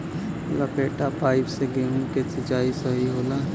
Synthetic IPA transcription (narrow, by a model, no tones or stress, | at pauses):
lɐpeːʈapaːɪpseɡeːmkesɐt͡ʃaːisɐɦiɦoːlaː